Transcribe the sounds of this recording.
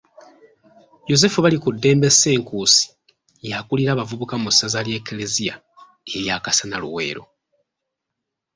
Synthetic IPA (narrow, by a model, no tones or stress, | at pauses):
jo̞ze̞fuβalikudːe̞ːmbe̞se̞ːŋkuːsi̥ | jakuliɾaβavuβukamusazalje̞ːkelezia̰ | eβjaːkasanalṵwe̞̰ːɾo̞̰